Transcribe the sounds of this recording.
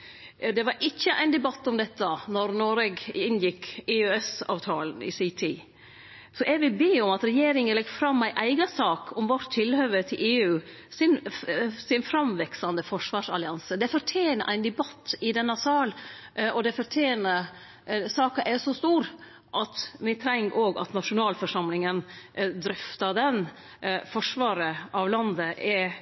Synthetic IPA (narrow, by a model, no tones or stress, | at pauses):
d̪ɛʋɑɾʔɪçːəʔæ̰ɪnd̪ɛbɑt̪ːɔmd̪ɛt̪ːənɔɾnoːɾɛɡɪnjɪkːɪøɛsɑ̰ːʋt̪ʰɑːlən̩ɪ̰sit̪ʰiː | sɔʔɛɡʋɪlbeːɔmɑt̪ɾɛjeːɾɪŋənlɛɡfɾɑmːæɪʔæɪɡɑsɑːkɔmʋɔʈ̪ʰːɪlhøːʋət̪ʰɪlʔeːʉː | sɪnsɪnfɾɑmʋɛksɑnd̪əfɔʂʋɑːʂɑlɪɑnsəd̪ɛfɔʈʰeːnəʔæɪnd̪ɛbɑt̪ːɪd̪ɛnːɑsɑːlʔɔd̪ɛfɔʈʰeːnə | sɑːkɑʔɛsɔst̪uːɾ | ʔɑt̪ʋɪt̪ʰɾɛŋːʔoːɡɑ̰t̪nɑʂʊnɑːlfɔʂɑmlɪŋənd̪ɾʏft̪ɑd̪ɛn | fɔʂʋɑːɾəʔɑʋlɑnd̪əʔɛ